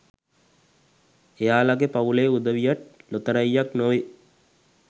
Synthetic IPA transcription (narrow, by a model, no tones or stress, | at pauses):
ejaːlaɡepaʋuleːud̪ɐʋijaʈ̚lot̪ɐɾɐjːaknoʋi